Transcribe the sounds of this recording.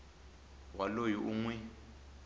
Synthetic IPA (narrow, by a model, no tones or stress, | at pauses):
walojiʔuŋwɛ